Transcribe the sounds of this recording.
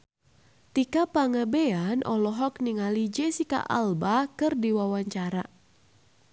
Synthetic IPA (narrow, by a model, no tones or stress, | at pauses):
t̪ikapaŋəbeanʔɔlɔɦɔk̚niŋalid͡ʒɛsika̰ʔa̰lbakɨrdiwawaɲt͡ʃaɾa